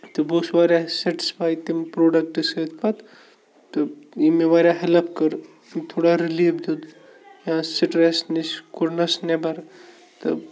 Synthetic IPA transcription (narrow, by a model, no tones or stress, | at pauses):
t̪ɨboːsʋaːɾjaseʈi̥spʰaːjt̪impɾoːɖɐk̚ʈɨsət̪ʰpʰɐt̪ | t̪ɨimeʋaːɾʲjaɦelɐp̚ʰkɐɾ | t̪ʰoːɽaɾiliːʋd̪ud̪ | jãseʈɾesniskuɾnɐsnebɐɾ | t̪ɨ̰